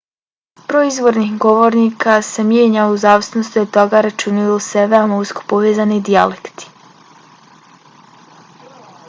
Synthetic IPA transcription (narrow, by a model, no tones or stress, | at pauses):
pɾoizʋo̞ɾnixɡo̞ʋo̞ɾnikasemjeːɲauzaːʋsenost̪iot̪oɡaɾat͡ʃunijoseʋeomousko̥poʋeːzanid̪ialekt̪i̥